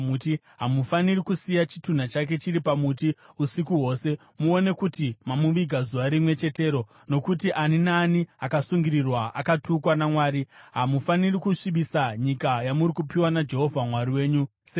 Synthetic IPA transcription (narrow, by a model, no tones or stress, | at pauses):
uti | ɦamufanirikusijat͡ʃi̥tun̤at͡ʃak̬e̞t͡ʃiɾipamutiusikuɦo̞ːse̞ | muo̞ne̞kutimamuʋiɡʱazuʋaɾimwe̞t͡ʃe̞te̞ːɾo̞ | no̞kutiʔaninaniakasuŋɡiɾirwaʔa̰katukwanamwaːɾiɦamufanirikuʂiɓisaɲikajamuɾikupiwanad͡ʒe̞ɦo̞vʱamwaɾiwe̞ːɲuse